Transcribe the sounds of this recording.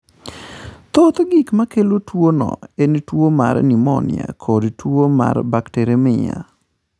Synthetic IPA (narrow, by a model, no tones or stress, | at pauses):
t̪ɔt̪ɡikmakelotwonɔ̰entwoma̰ɾnimɔ̰nɪ̰a̰kʰodtwoma̰rbakteɾemɪɲa̰